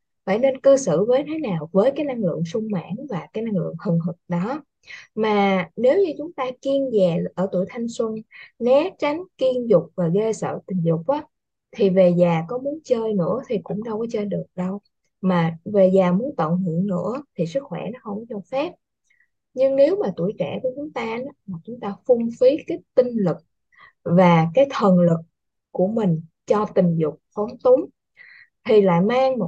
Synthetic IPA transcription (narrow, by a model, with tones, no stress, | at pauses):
fa̰ː˧˩jne˧nkɨ˧sɨ̰˧˨vəː˨˦jt̪ʰe˨˦naː˨˩wvəː˨˦jkaː˨˦jna˧ŋlɨ̰˧˨əŋsʊ˧ŋ͡mma̰ː˧˥nvaː˨˩kaː˨˦jna˧ŋlɨ̰˧˨əŋhɨ˨˩ŋɦɨ˨˩k̚ɗɔ˨˦ | maː˨˩ne˨˦wɲɨ˧t͡ɕʊ˨˦ŋ͡mt̪aː˧ki˧ənzɛː˨˩ʔəː˧˩t̪u˧˩əjt̪ʰa˧jŋ̟swə˧nnɛ˨˦t͡ɕa˨˦jŋ̟ki˧ənzʊ˨˩k͡p̚vaː˨˩ɣəː˧sə̰ː˧˨t̪ï˨˩ŋ̟zʊ˨˩k͡p̚ʔaː˨˦ | t̪ʰi˨˩ve˨˩zaː˨˩kɔ˨˦mu˨˦ənt͡ɕəː˧jnɨ̰˧˥ət̪ʰi˨˩kʊ̰˧˥ŋ͡mɗə˧wkɔ˨˦t͡ɕəː˧jɗɨ˨˩ək̚ɗə˧w | maː˨˩ve˨˩zaː˨˩mu˨˦ənt̪ə̰ː˧˨nhɨ̰˧˨əŋnɨ̰˧˥ət̪ʰi˨˩sɨ˦˥k̚xwɛ˧˩nɔ˨˦xə˧wŋ͡mt͡ɕɔ˧faː˦˥p̚ | ɲɨ˧ŋne˨˦wmaː˨˩t̪u˧˩əjkɛ˧˩ku˧˦t͡ɕʊ˨˦ŋ͡mt̪aː˧n˨˦maː˨˩t͡ɕʊ˨˦ŋ͡mt̪aː˧fʊ˧ŋ͡mfi˨˦kaː˨˦jt̪ï˧ŋlɨ˨˩k̚ | vaː˨˩kaː˨˦jt̪ʰə˨˩nlɨ˨˩k̚ | ku˧˩əmï˨˩ŋ̟t͡ɕɔ˧t̪ï˨˩ŋ̟zʊ˨˩k͡p̚fɔ˨˦nt̪ʊ˨˦ŋ͡m | t̪ʰi˨˩la̰ː˧˨jmaː˧ŋ˨˩